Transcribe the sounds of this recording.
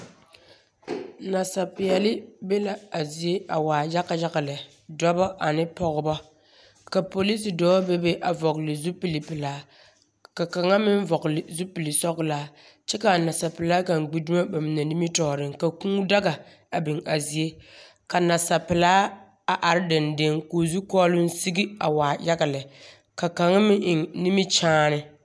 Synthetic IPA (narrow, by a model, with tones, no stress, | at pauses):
na˨sa˨pɪ˨jɛ˨lɪ˦be˦la˨a˨zi˨je˦a˨waː˨ja˦ka˨ja˦ka˨lɪ˨ | dɔ˦bɔ˦ʔa˨nɪ˦pɔ˨ɣʊ˦bɔ˦ | ka˨po˨li˦s̬i˨dɔː˦be˦be˦ʔa˨vɔ˨kɪ˨lɪ˨zu˦pi˨li˨pɪ˨laː˨˦ | ka˨ka˨ŋa˦mɪ˦n˦vɔ˨ɣlɪ˨zu˦pi˨lɪ˨sɔ˦ɣlaː˦ | t͡ʃɛ˦ka˨na˨sa˨pɪ˨laː˦ka˨ŋ˨ɡ͡bi˦du˦ma˦ba˨mɪ˨na˨ni˦mi˦tɔː˨ɾɪ˨ŋka˨kũː˦da˦ɡa˨ | a˨bɪ˨ŋa˨zi˨e˦ | ka˨na˨sa˨pɪ˨laː˦ | a˨ʔa˨ɾɪ˦dɪ˨nde˦ŋkoː˨zu˦kɔː˦lʊ˦n̩˦si˦ɡi˦a˨waː˨ja˦ɡa˨lɪ˨ | ka˨ka˨ŋa˦mɪ˦ʔɪ˨ŋni˦mi˦t͡ʃaː˦nɪ˦